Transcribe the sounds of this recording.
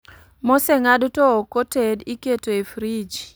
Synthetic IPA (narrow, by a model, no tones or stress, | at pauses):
mosɛŋadtookotediketoefɾid͡ʒ